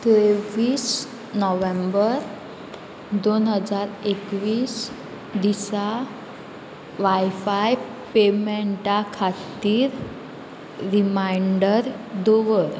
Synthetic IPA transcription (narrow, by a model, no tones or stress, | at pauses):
t̪eʋiːs | nɔʋembəɾ | d̪onɦəd͡zaɾekʋiːs | d̪isa | ʋajfaj | pemeɳʈakʰat̪iːɾ | ɾimajɳɖəɾ | d̪oʋəɾ